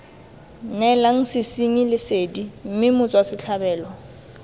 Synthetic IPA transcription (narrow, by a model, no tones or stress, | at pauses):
nɛlaŋ̩sɪsiŋilɪsedim̩mɪmʊt͡sʼwasɪɬʰabɛːlɔ